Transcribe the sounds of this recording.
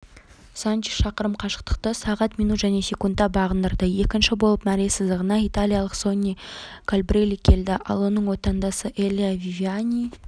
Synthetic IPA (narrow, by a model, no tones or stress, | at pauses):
saniʃɑqəɾəmqʰɑʃə̥qt̪ə̥qt̪əsɑʁɑt̪mijnut̪ʒæne̞sʲe̞kund̪ɑbɑʁənd̪əɾd̪əje̞kʲɪnʃɪbo̞lˠəpmæɾe̞sɪzd̪ɪʁənɑijt̪alʲijalˠəqso̞nʲːijkʰolʲbrʲelʲːikʲʰe̞ld̪ɪʔɑ̰lˠwo̞nəɴwo̞t̪ɑnd̪ɑsəʔelʲiavivianʲij